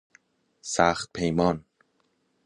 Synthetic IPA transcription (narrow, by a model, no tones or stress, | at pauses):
saːxt̪̚pʰejmɔn